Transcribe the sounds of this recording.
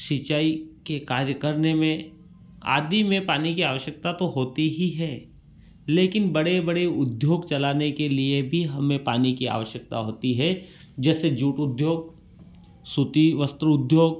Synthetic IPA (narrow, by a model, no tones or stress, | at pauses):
ʃit͡ʃaːikekaːɾjəkəɾnemẽ | a̰ːd̪imẽpaːnikiaːʋəʃjək̚t̪at̪oɦoːt̪iɦiɦɛː | leːkɪnbɐɽebɐɽeʊd̪ʱjoːɡt͡ʃɐlaːnekeliebʱiɦɐmẽpaːnikia̰ːʋəʃjək̚t̪a̰ɦoːt̪iɦɛ | d͡ʒɛːsed͡ʒuːʈʊd̪ʱjoːɡ̚ | sʊt̪iʋəst̪ɾʊd̪ʱjoːɡ